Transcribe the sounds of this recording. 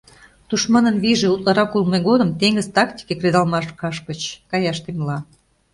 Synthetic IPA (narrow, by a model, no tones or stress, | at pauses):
t̪uʃmɑnənβiʒeut̪lɑɾɑkulmeɣod̪ə̆mt̪eŋɡəzt̪ɑkt̪ʲi̥kekred̪ɑlmɑʃkɑʃkət͡ɕkɑjɑʃt̪emlɑ